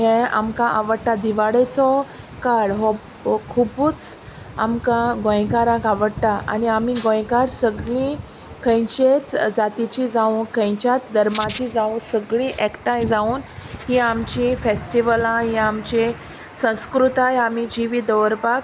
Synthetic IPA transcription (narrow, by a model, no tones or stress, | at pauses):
ɦẽa̰mkãʔaʋəɽtad̪iʋaɽet͡sɔ | kaɽɦɔ | kʰupuːt͡s | amkãɡõjkaɾãkaʋəɽtaʔa̰niamiɡõjkaɾsəɡɭĩ | kʰə̃jt͡ɕet͡sd͡zat̪it͡ɕid͡zaũːnkə̃jt͡ɕat͡sd̪ʱəɾmat͡ɕid͡zaũnsəɡɭĩʔɛkʈãjd͡zauːnɦiamt͡ɕĩfesʈiʋəlãɦĩamt͡ɕĩ | sə̃w̃skɾut̪ajamid͡ʑiʋiːd̪əʋəɾpak